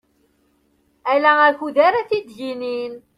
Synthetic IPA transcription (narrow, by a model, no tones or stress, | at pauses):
ælææçuðaɾaθid̪ʝinin